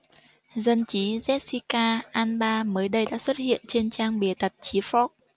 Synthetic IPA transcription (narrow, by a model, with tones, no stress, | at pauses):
zə˧nt͡ɕi˨˦zɛ˦˥t̚si˧kaː˧ʔaː˧nɓaː˧məː˨˦jɗə˧jɗa̰ː˧˥swə˦˥t̚hḭ˧˨ənt͡ɕe˧nt͡ɕaː˧ŋɓi˨˩ət̪ə˨˩p̚t͡ɕi˨˦fɔ˦˥k̚